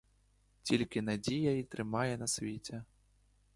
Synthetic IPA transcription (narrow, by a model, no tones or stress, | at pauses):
t͡sʲilʲkʲinad͡zʲijɐit̪ɾɨmajɛnɐsʲvʲet͡sʲɛ